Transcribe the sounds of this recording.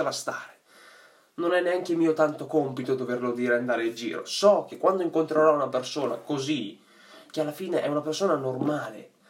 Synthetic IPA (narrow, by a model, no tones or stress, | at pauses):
last̪aːɾe | nonɛnːeaŋk̟emiːot̪ant̪okɔmpit̪od̪overlod̪iːɾeand̪aːɾeid͡ʒḭːɾo̰sɔk̟ekːwand̪oiŋkont̪ɾeɾɔunapersoːna̰kozi | k̟ealːafiːneʔɛunapersoːnanormaːlḛ